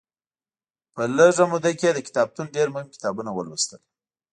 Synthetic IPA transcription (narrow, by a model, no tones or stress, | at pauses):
pələʐamud̪aked̪əkɪ̥t̪ɑb̚t̪unɖeɾmohɪmkɪ̥t̪ɑbunawə̰lwist̪əl